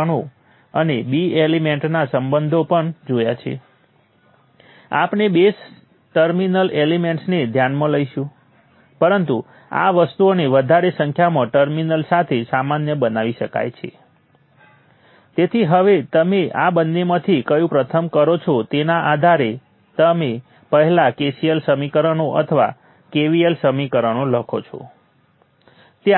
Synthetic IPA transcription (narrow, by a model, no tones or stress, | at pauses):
ɳ̃o | ənebielimeɳʈnasəmbənd̪ʱopəɳd͡ʒojat͡ʃʰḛ | a̰pnebes | ʈəɾminəlelimeɳʈsned̪ʱjanmãləiʃũ | pəɾənt̪u | a̰ʋəst̪uoneʋəd̪ʱaɾesəŋkʰjamãʈəɾminəlsat̪ʰesamanjəbənaʋiʃəka̰jt͡ʃʰḛ | t̪et̪ʰiɦəʋet̪əmeabənːemãt̪ʰikəjũpɾət̪ʰəmkəɾot͡ʃʰot̪enaʔad̪ʱaɾe | t̪əme | pəɦlakesiəlsəmikəɾənoʔə̰t̪ʰəʋa̰ | keʋielsəmikəɾənoləkʰot͡ʃʰo̰ | t̪e